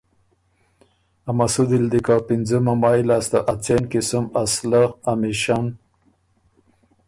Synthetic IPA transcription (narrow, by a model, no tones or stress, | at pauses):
amasud̪ild̪ikapind͡zəmamɑjlast̪aʔat͡senkisumaslaamiʃan